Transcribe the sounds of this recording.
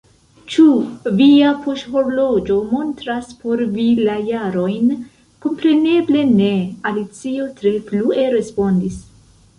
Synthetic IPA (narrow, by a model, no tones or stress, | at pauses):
t͡ʃuviapʰo̞ʃho̞ɾlo̞d͡ʒo̞mo̞ntɾaspo̞ɾvilajaɾo̞jn | ko̞mpɾe̞ne̞ble̞ne̞alit͡sio̞tɾe̞flue̞ɾe̞spo̞ndis